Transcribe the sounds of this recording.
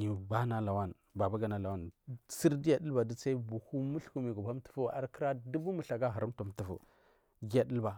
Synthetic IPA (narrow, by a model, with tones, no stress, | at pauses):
ɲi˨ba˦na˦la˨wa˦˨n | ba˨ba˦ɡa˨na˨la˨wa˦nsi˦ɾdi˦ja˨di˦lba˨di˦sa˦i˦bu˨hu˦mu˦ɬku˦mi˨ɡu˨ba˦m˦tu̥˨fu˦a̰˨ɾki˦ɾa˦du˦bu˦mu˨ɬa˨ɡa˦ɦa˨ɾu˦m˦tu˨mtu˨fṵ˨ | ɡi˦a˦di˦lba˨